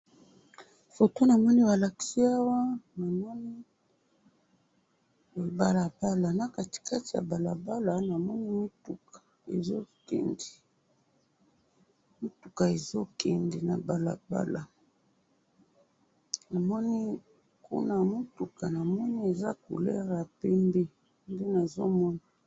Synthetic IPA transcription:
fo˨to˦na˨mɔ˦ni˦ba˨la˨ki̥˦si˦a˦wa˦na˨mɔ˦ni˦˨ | ba˨la˨ba˦la˨na˨ka˨ti̥˨ka˦ti˨ja̰˨ba˨la̰˨ba˦la˨na˨mɔ˦ni˦mu˦tu˨kḁ˨ | ḛ˨zo˦kḛ˨ndi̥˨ | mo˦tu˨ka˨e˨zo˦kɛ˨ndi˨na˨ba˨la̰˨ba̰˦la˨ | na˨mɔ˦ni˦ | kṵ˦na˦mo˦tu˨ka˨na˨mɔ˦ni˦e˨za˦kṵ˨lɛ˦ʁa˨pɛ˦mbe˦ | nde˦na˨zo˦mɔ˦na˨

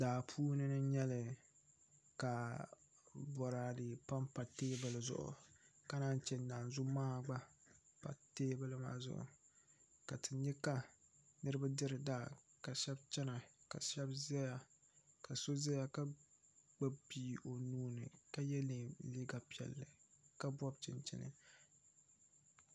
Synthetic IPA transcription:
daː˨pʰuː˦nɨ˦nɨ˦ɲɛ˦lɨ˨ | ka˨ | bɔ˨ɾaː˨dɨ˨pa˦mpa˨teː˦bɨ˨lɨ˨zʊ̰˨ʔʊ̰˨ka˦naː˦n˦t͡ʃɛ˦˨nː˨a˨n˨zʊ˦maː˦˨ɡ͡ba˦pa̰˨teː˦bɨ˦lɨ˦ma̰ː˦zʊ̰˦ʔʊ̰˨ | ka˨tɨ˨ɲɛ˦ka˦nɨ˦ɾɨ˦ba˦dɨ˦ɾɨ˨daː˦ka˨ʃɛ˦bt͡ʃɛ˦na˨ka̰˨ʃɛ˦bzɛ˦ja˨ | ka˨so˦zɛ˦ja˨ka˦ɡ͡ba˦bbiː˦o˨nuː˦nɨ̰˨ka˦jɛ˦li˨liː˦ɡa˨pi˦ɛ̰˨lːɨ˨ka˦bɔ˦b̚t͡ʃɪ̰˨nt͡ʃɪ̰˨nɨ̰˨

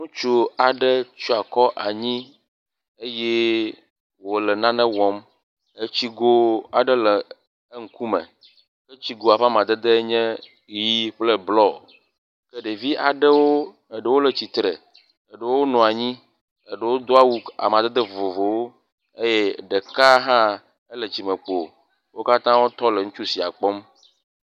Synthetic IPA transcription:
nũ˦t͡ʃu˦a˨ɖə˦t͡ʃu˦a˨kɔ˦ʔa˨ɲĩ˦ | e˦jɛ˦ | wo˨lɛ˨nã˦nɛ̃˦wɔ˨m | e˦t͡ɕi˦ɡo˦a˨ɖə˦lɛ˨ | ə˦ŋ̩˦ku˦mə̰̃˨ | kə˦t͡ɕi˦ɡo˨a˨ɸa˦m˨ã˨d̪ə˦d̪ə˦ɲɛ̃˦ | ji˦ɸlɛ˦blɔ˦˨ | ke˦ɖe˨vi˦ʔa˨ɖə˦wo˦ | e˨ɖə˦wo˦le˨t͡ɕi˨t̪ɾe˨ | e˨ɖə˦wo˦nɔ̃˨a˨ɲĩ˦ | ə˨ɖə˦wo˦d̪o˦a˦wu˦a̰˨mã˨d̪e˦d̪ə˦˨o˨vo˨wo˦ | e˦jɛ˦ɖe˨ka˦ɦã˦ | e˦le˨t͡ɕi˨mə̃˨k͡po˨ | wo˦ka˦t̪ã˦wo˦t̪ɔ˦le˨ŋũ˦t͡ʃu˦si˨a̰˨k͡pɔ˦m

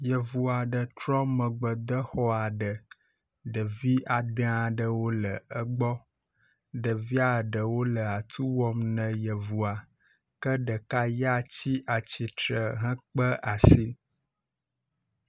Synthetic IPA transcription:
jə˨vu˨a˨ɖə˨t̪ɾɔ˦mə̃˨ɡ͡bə˨d̪ə˦xɔ˦a˨ɖə˨ | ɖə˨vi˦ʔa˨d̪ə̃˦a˨ɖə˨wo˦lə˨ə˦ɡ͡bɔ˦ | ɖə˨vi˦a˦˨ɖə˨wo˦lə˨a˨t̪ʰu˦wɔ˦mnə̃˨jə˨vu˨a˨ | kə˦ɖə˨ka˦ja˦t͡ɕi˦ʔa˨t͡ɕi˨t̪ɾə˨ɦə̃˦k͡pə˦ʔa˨si˦

